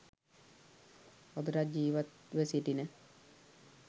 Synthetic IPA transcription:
od̪uɾad͡ʒiːʋat̪ʋesiʈinə

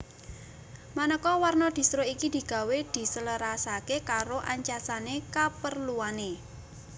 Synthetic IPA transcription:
manəkɔwarnɔd̪̥i̤st̪ɾoikid̪̥i̤ɡ̥a̤wed̪̥i̤sələɾasakekaɾoʔaɲt͡ʃasanekapərluane

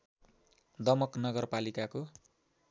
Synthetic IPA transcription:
d̪ʌmʌknʌɡʌrpalikako

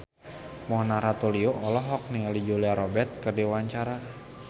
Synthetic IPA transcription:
mɔnaɾat̪ulioʔɔlɔɦɔk̚nialid͡ʒuliaɾɔbɛt̪̚kɨrdiwaɲt͡ʃaɾa

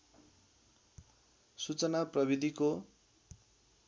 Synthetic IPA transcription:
sut͡sʌnaprʌβid̪ʱiko

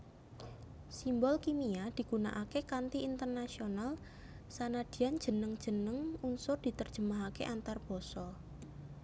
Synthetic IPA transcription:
simbɔlkimiad̪̥i̤ɡuna̰ʔakekant̪iint̪ərnasional | sanad̪̥i̤an̥d͡ʒ̥ə̤nəŋd̥ʒ̥ə̤nəŋunsʊrd̪̥i̤t̪ərd̥ʒ̥əmaɦakḛʔant̪arb̥ɔsɔ

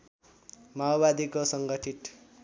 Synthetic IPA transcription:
maobad̪ikosʌŋɡʌʈʰiʈ

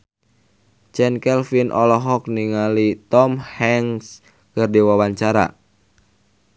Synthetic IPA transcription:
t͡ʃɛnkɛlfinʔɔlɔɦɔk̚niŋalit̪ɔmhɛŋs | kɨrdiwawaɲt͡ʃaɾa̰

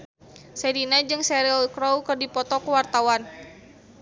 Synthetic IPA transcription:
sɛdinad͡ʒɨŋsɛɾlkɾɔwkɨrdipɔt̪ɔkuwart̪awan

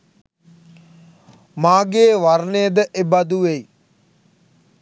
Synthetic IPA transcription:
maːɡeːʋarnejəd̪əʔebad̪uʋej

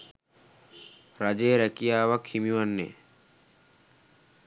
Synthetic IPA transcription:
ɾad͡ʒeːɾɛkijaːwɐkhimiwanːḛ

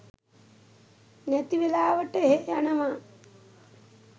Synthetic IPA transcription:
net̪iʋilaːʋɐʈeɦeɐɳɐma

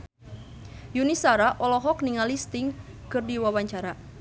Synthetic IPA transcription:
junisaɾaʔɔlɔɦɔkniŋalist̪ɪŋkɨrdiwawaɲt͡ʃaɾa

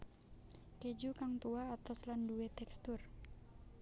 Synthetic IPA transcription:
ked͡ʒukaŋt̪uaːt̪ɔslanduwet̪ɛkst̪ʊr

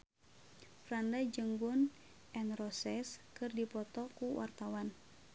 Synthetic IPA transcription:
fɾandad͡ʒəŋɡun | ʔɛnrɔsɛskɨrdipɔt̪ɔkuwa̰rt̪awan

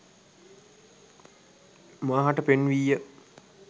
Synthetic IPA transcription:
maːɦaʈəpenʋijə

